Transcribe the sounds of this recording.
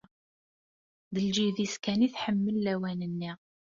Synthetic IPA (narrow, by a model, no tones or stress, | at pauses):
ðəld͡ʒiðiskæniθħəmːəlːæwænənːi